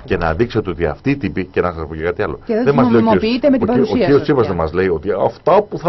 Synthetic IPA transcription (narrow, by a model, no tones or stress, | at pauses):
ce̞nɐðikset̪e̞o̞t̪iɐ̰ft̪iːt̪ipicenɐsɐsɐpocekɐt̪iɐlo̞eðeðemɐzleomoosiit̪emesoiɾost͡sivɐzðemɐzle̞io̞t̪iɐft̪ɐpuθɐ